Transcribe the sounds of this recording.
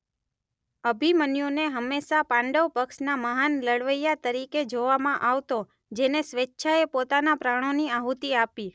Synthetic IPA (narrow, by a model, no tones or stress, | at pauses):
əbʱimənjuneɦəmːeʃapãɳɖəʋpəkʃnaməɦanləɽʋəjat̪əɾiked͡ʒoʋamãʔaʋt̪o | d͡ʒenesʋetːʃʰaepot̪anapɾaɽ̃oniaɦut̪iapi